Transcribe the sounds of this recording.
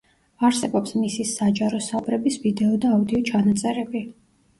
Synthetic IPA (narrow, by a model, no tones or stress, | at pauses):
aɾsɛbɔpsmisisad͡ʒaɾɔsaɔbɾɛbisvid̪ɛɔd̪aːud̪iɔt͡ʃʰanat̪sʼɛɾɛbi